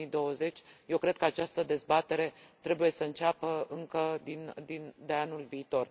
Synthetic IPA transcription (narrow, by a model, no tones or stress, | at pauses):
id̪o̞wəze̞t͡ʃʲje̞wkɾe̞d̪̥̚kəat͡ʃast̪əd̪e̞zbat̪e̞ɾe̞t̪ɾe̞buje̞səɨnt͡ʃapəɨŋkəd̪ind̪ind̪e̞anulviːt̪o̞r